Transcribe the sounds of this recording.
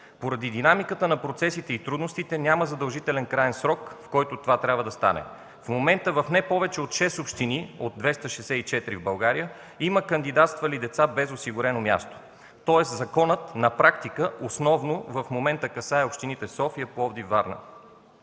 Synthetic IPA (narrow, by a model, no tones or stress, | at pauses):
poɾɐd̪id̪inamikət̪ənɐpɾot̪sɛsit̪ɛit̪ɾud̪nost̪it̪ɛnʲaməzɐd̪əlˠʒit̪ɛlɛnkɾajɛnsɾɔkfkɔjt̪ot̪ovat̪ɾʲabvəd̪ɐst̪a̰nɛ̰ | fmomɛnt̪əvɐfnɛpɔvɛt͡ʃɛot̪ʃɛsopʃt̪iniod̪̚d̪vɛst̪əʃɛsɛit͡ʃɛt̪ɾivbɐlˠɡaɾijə | iməkənd̪id̪at̪st̪vəlid̪ɛt̪sabɛzosiɡʊɾɛnomʲja̰st̪o̥ | t̪ɔɛszɐkɔnət̪nɐpɾakt̪ikəosnɔvnovɐfmomɛnt̪əkɐsaɛopʃt̪init̪ɛsɔfiəpoɔbd̪ivvːaɾnə̰